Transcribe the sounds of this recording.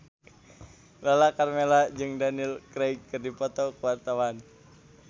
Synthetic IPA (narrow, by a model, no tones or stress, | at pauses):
lalakarmelad͡ʒɨŋdanilkɾɛjkːɨrdipɔt̪ɔkəwart̪awan